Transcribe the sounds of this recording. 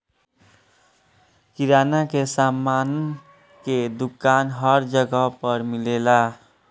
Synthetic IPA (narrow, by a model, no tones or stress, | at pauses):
kiɾanakesaman | ked̪ukanɦʌɾd͡ʒəɡəpʌɾmilela